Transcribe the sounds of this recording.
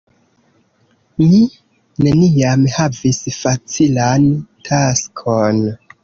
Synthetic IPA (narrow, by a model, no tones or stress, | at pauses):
mi | ne̞niamhavisfat͡silantʰaskʰon